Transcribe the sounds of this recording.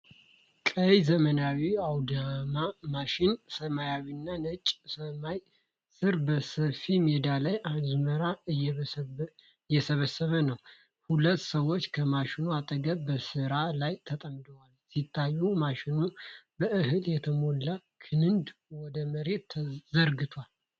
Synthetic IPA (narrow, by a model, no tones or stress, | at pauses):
kʼəjzəmənawiawd̪amamaʃɪnsəmajawinːanət͡ʃʼsəmaj | sɨɾbəsəfimed̪alajʔanzuməɾaɨj | ɨjːɛsəβəsːəβənəw | hulət̪ːsəwo̞t͡ʃːkʰəmaʃɪnuat̪ʼəɡəbəsɨɾalajt̪ʰət̪ʼəmd̪əwalsit̪ʰːajːumaʃɪnubəʔɨhɨljɛt̪ʰəmo̞lːa | kʰɨnɨnd̪wɔd̪əməɾe̞t̪ːzəɾɡɨt̪ʰal